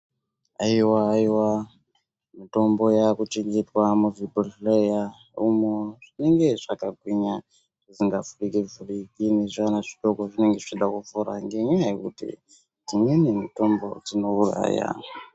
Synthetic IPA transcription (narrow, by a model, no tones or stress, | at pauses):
aiwaːiwa | mito̞mbo̞jakut͡ʃiŋɡitwamuviboleja | umoʐ̥ineŋɡe̞ʐ̥akaɡʱwiɲa | ʐ̥isiŋɡafurikivurikineʐanaʐitokoʐineŋɡeiiɗakufuɾa̰ŋɡeɲaajekutḭ | d͡zimwenimito̞mbo̞̰d͡zino̞ura̰ːja̰